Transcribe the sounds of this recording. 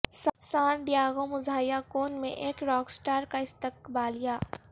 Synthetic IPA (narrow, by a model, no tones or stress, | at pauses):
sɐsaːnɖ̪jaːɡõmʊzʱaːjakoːnmḛ̃ʔeːkɾɔːksʈaːɾkaɪst̪əkbaːlijaː